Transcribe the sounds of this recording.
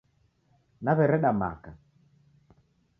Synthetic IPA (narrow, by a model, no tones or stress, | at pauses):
naβɛɾɛɗama̰ka